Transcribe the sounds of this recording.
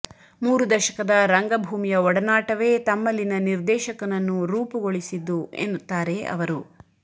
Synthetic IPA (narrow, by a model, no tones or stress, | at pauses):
muːɾud̪ɐʃɐ̥kɐd̪ɐɾɐŋɡɐbʱuːmijɐɔɽɐnaːʈɐʋe̞ːt̪ɐmːɐlːinɐniɾd̪ɛːʃɐkɐnɐnːuɾuːpɐɡoɭisid̪ːuḛnːut̪ːaːɾe̞ɐ̰ʋɐɾu